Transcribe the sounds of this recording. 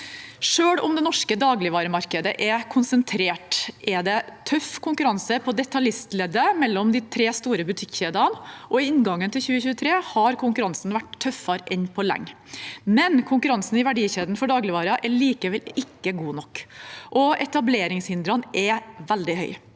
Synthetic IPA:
ʂøːɽʊmd̪ɛnɔʂkəd̪ɑːɡlɪʋɑːɾəmɑɾkəd̪əʔɛkʰʊnsənt̪ʰɾeːʈʔɛd̪ɛt̪ʰœfkʰʊŋkʉɾɑnsəpʰɔd̪ɛt̪ɑlɪst̪lɛd̪əmɛlːɔmd̪ɪt̪ʰɾeːst̪uːɾəbʉt̪ʰɪkːçeːd̪ɑnʔɔɪɪnɡɑŋːənt̪ʰɪlçʉːəçʉːət̪ʰɾeːhɑɾkʰʊŋkʉɾɑnsn̩ʋæʈt̪ʰːœfɑɾʔɛnpʰɔlɛ̰ŋːmɛnkʰʊŋkʉɾɑnsn̩ɪʋæɖiːçeːd̪n̩fɔɖɑːɡlɪʋɑːɾɑʔɛɭiːkəʋɛlɪkːəɡuːnɔkːʔɔɛt̪ɑbleːɾɪŋshɪnd̪ɾɑnɛʋɛld̪ɪhœ̰ʏ

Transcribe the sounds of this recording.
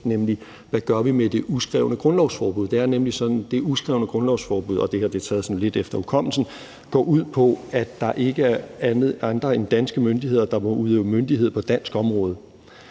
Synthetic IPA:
nemli | ʋæɡ̥ɶɐʋimed̥e̝ʔusɡ̥ʁɛʊnəɡ̥ʁɔ̽nlɒʊsfɒːb̥uð̞̰ˠd̥e̝æɐnemlisɒ̽d̥n̩d̥e̝usɡ̥ʁɛʊnəɡ̥ʁɔ̽nlɒʊsfɒːb̥uð̰ˠɒ̽d̥e̝hɑɐd̥et͡sʰɛːð̩ˠsɒ̽n̩le̝d̥efd̥ɐukʰɒ̽m̰l̩sn̩ | ɡ̥ɒ̰ːʔuð̰ˠpʰɒ̽æ̥ɑ̈ʔe̝ɡ̥əæɐænð̩ˠɑ̈nd̥ʁɐe̝nd̥æn̰sɡ̥əmønd̥ie̝ð̰ˠɐd̥ɑ̈mouðˠeʊmønd̥iɦe̝ð̞̰ˠpʰɒ̽d̥æn̰sɡ̥ɒ̽mʁɔ̽ːð̞̩ˠ

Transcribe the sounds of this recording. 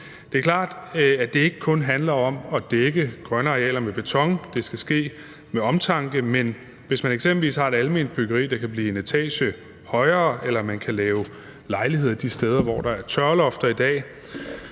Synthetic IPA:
d̥e̝ːɐkʰlɑ̰̈ːd̥æd̥e̝e̝ɡ̥əkʰɔ̽nɦænlɐɒ̽mɒ̽d̥eɡ̥əɡ̥ʁɶnɐʁeɛ̰ːlɐmeb̥e̝t͡sʰɒ̽ŋd̥e̝sɡ̥æsɡ̥e̝̰ː | meɒ̽mt͡sʰɑ̈ŋɡ̥əmen | ʋe̝smæneɡ̥semb̥l̩ʋḭːshɑ̈e̝ɾ̥ælme̝ːnd̥̚b̥yɡ̥ɐʁḭːd̥ɑ̈kʰæb̥liːe̝net͡sʰɛ̰ːɕə | hɒ̽ɪɐːʔelɐmænkʰælɛːʊ | lɑ̈ɪlihe̝ð̰ˠɐd̥isd̥eð̞ˠɐʋɒ̰d̥ɑ̈æɐt͡sʰɶɐlɒ̽fd̥ɐid̥ɛ̰ː

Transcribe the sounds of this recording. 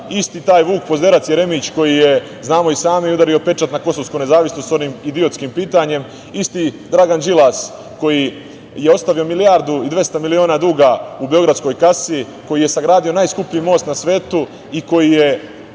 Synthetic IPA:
ist̪iːt̪aːjʋuːkpozd̪e̞ɾat̪sjeɾe̞mit͡ɕko̞jije | znaːmo̞isaːmiiud̪aɾio̞pe̞t͡ʃat̪nako̞so̞skone̞zaːʋisnot̪so̞nimid̪io̞t̪skimpiːt̪aɲe̞m | ist̪id̪ɾaɡand͡ʒilas | ko̞ji | je̞o̞st̪aʋio̞milijaɾd̪uid̪ʋe̞st̪amilio̞ːnad̪uːɡaubeo̞ɡɾad̪sko̞jkasi | ko̞jije̞saɡɾaːd̪io̞naːjskupiimo̞ːst̪nasʋe̞ːt̪u | iko̞jije

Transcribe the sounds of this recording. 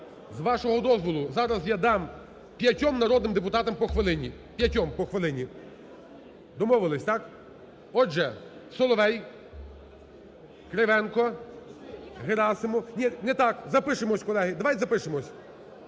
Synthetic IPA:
zʋɑʃɔɦɔd̪ɔzʋɔlˠʊzɑɾɐzjad̪ɑm | pʲjɐtʲɔmnɐɾɔd̪nɪmd̪ep̬ʊt̪ɑt̪ɐmpɔxʋelˠɪnʲi | pʲjɐtʲɔmpɔxʋelˠɪnʲi | d̪ɔmɔʋɪlˠɪsʲt̪ɑk | ɔʒɛsɔlˠɔʋɛj | kɾeʋɛnkɔ | ɦeɾɑsɪmɔnʲinɛt̪ɑkzɐpɪʃemɔsʲkɔlˠɛɦɪd̪ɐʋajzɐpɪʃemɔsʲ

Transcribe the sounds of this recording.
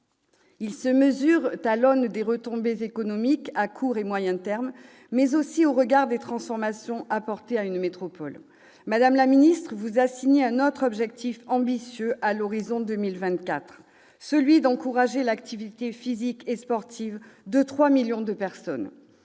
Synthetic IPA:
ilsəməzyʁt̪alɔnd̪eʁət̪ɔ̃bezekɔnɔmikakʰuʁemwajɛ̃t̪ɛʁmː | ɛzosioʁəɡaʁd̪et̪χɑ̃sfɔʁmasjɔ̃ʔapɔʁt̪eaynmet̪χɔpɔl | mad̪amlaminist̪χəvuzasiɲeɛ̃not̪χɔbʒɛk̚t̪ifɑ̃bisjøʔalɔʁizɔ̃d̪əmilvɛ̃t̪kat̪χ | səlɥid̪ɑ̃kuʁaʒelakt̪ʰivit̪efizikespɔʁt̪ʰivd̪ət̪χwamiljɔ̃d̪əpɛʁsɔn

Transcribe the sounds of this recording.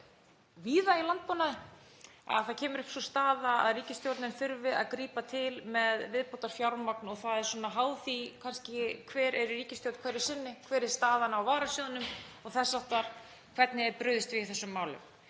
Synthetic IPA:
viːðailant̪̚poːnaðɪ | a̰ðθacʰɛːmʏɾʏhpsɔst̪aːðaa̰ðriːcɪst̪jowɾt̪nɪnfʏɾvɪða̰ðkɾiːpat̪ʰɪlmɛðvɪðpowt̪aɾ̥fjawɾmaknɔɣθaðɛɾswɔnaɦaːwθikʰanscɪkʰvɛːɾɛɾʏɾiːcɪst̪jowt̪kʰɛɾɪ̥sɪnːɪkʰvɛːɾɛɾ̥st̪aːðanaːwvaːɾasjoːðʏnʏmɔɣθɛsːaht̪aɾ̥ | kʰvɛɾt̪nɪɛɾpɾʏːðɪst̪vɪθɛsːʏmːaːwlʏ̰m

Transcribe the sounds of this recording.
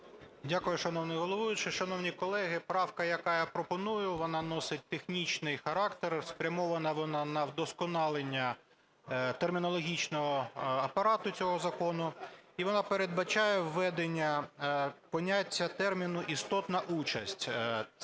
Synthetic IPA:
dʲakʊjʊʃɐnɔwnɪjɦɔlˠɔʋujʊt͡ʃɪʃɐnɔwnʲikɔlˠɛɦɪpɾɑwkɐjɐkɑjapɾɔpɔnujʊʋɔnɑnɔsɪt̚ʲt̪exnʲit͡ʃnɪjxɐɾɑkt̪erspɾʲɐmɔʋɐnɐʋɔnɑnɐwd̪ɔskɔnɑlˠenʲːɐ | t̪ermʲinɔlˠɔɦʲit͡ʃnɔɦɔɐpɐɾɑt̪ʊt͡sʲɔɦɔzɐkɔnʊiʋɔnɑpeɾed̪̚bɐt͡ʃɑjɛwːɛd̪enʲːɐ | pɔnʲatʲːɐt̪ɛrmʲinʊʔist̪ɔt̪nɐʔut͡ʃɐsʲtʲ

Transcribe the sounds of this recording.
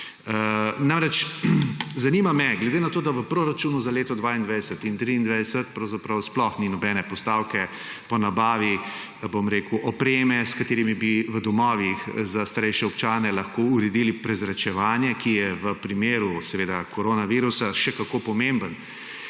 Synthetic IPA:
namɾɛt͡ʃ | zanimamɛɡlɛd̪enat̪oːd̪aʋəpɾoːɾat͡ʃuːnuzaleːt̪ɔd̪ʋaind̪ʋajd̪ɛsət̪int̪ɾiːnd̪ʋajd̪ɛsət̪pɾɐwzapɾawsplɔxninɔbɛnɛpɔst̪aːwkɛ | pɔnabaːʋi | bomɾeːkuʔɔpɾeːmɛskat̪eːɾimibiʋəd̪ɔmɔːʋixzast̪aɾɛjʃɛɔpt͡ʃaːnɛlɐxkouɾɛd̪ilipɾɛzɾat͡ʃɛʋaːnjɛkijɛʋəpɾimeːɾusɛʋeːd̪akɔɾoːnaʋiɾusaʃɛkakopɔmembən

